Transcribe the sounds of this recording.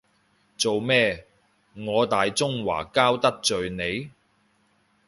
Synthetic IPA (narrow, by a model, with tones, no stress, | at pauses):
t͡so˨wmɛː˥ | ŋɔː˨˧t̪aː˨jt͡sʊ˥ŋwa̰ː˨˩kaː˥wt̪ɐ˥k̚t͡sɵ˨ɥne˨˧j